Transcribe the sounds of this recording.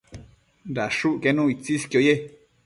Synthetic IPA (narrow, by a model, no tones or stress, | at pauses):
ndaʂuʔkenũːit͡siskjoje